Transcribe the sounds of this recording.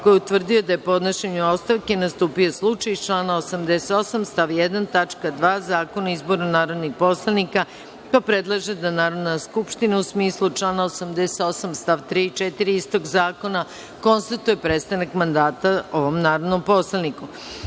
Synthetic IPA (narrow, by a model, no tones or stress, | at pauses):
kojeut̪ʋr̩d̪ijo̞d̪ajepo̞d̪noʃeɲuo̞st̪aʋkenast̪uːpijo̞slˠut͡ʃajt͡ʃlaːnaosamd̪eset̪o̞samst̪aʋjed̪ant̪at͡ʂkad̪ʋaːzaːko̞naizbo̞ɾnanaːɾo̞d̪nixpo̞slˠanika | papɾed̪lˠaʒed̪anaːɾo̞d̪naskupʃt̪inausmiːslˠut͡ʂlˠaːnaosamd̪eset̪osamst̪aʋt̪ɾiːit͡ʃet̪iɾiist̪o̞ɡzaːko̞na | ko̞nst̪at̪ujepɾet̪st̪anakmand̪aːt̪ao̞ʋo̞mnaːɾod̪no̞mpo̞slˠaniku